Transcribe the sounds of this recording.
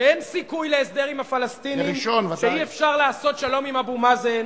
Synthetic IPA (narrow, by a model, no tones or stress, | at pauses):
ensikujleesd̪e̞ʁimafalast̪iniʁiʃonvʃeiefʃaʁlaːso̞tʃalo̞mimabumazen